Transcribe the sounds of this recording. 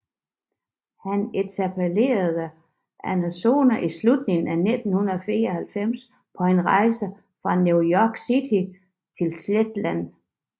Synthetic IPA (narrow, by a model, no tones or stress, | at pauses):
hænet͡sʰæpʰele̝̰ːɐðˠə | ʔænæso̝̰ːnɐʔislud̥ne̝ŋn̩æne̝d̥n̩hunɐɒfḭːɐɒ̽hælfem̰s | pʰɒ̽e̝nʁɑ̈ɪsə | fʁɑ̈njujɒɡ̥sid̥li | t͡sʰe̝lsled̥læn